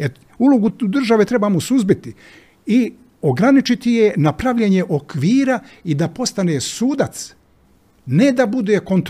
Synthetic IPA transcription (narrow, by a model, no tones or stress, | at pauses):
e | uloɡud̪r̩ʒaʋe̞t̪ɾe̞bamosuzbit̪i | i | o̞ɡɾanit͡ʃit̪ijenapɾaʋʎeɲe̞ʔo̞kʋiːɾaid̪apo̞st̪anesuːd̪at̪s | ne̞d̪abud̪e̞ko̞nt̪